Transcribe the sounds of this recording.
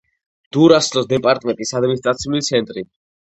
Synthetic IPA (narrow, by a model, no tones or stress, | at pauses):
d̪̥uɾaslɔsd̪ɛpʼaɾt̪ʼmɛ̃nt̪ʼisad̪minist̪ʼɾat̪sʰiulit̪sʰɛnt̪ʼɾi